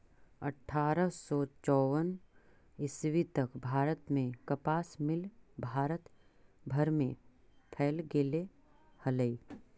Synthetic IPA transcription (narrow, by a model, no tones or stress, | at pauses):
ɐ̰ʈʰːaːɾəsɔːt͡ʃɔːwən | ɪswit̪əkbʱaːɾət̪mẽkɐpaːsmɪlbʱaːɾət̪bʱɐɾmẽpʰɛːlɡeːle | hɐləi